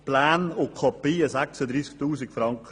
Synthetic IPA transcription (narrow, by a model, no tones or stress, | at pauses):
plaːnʊkʰɔpiːəsaksəd̪ɾiːsk̚t̪uːsikfɾɑŋkə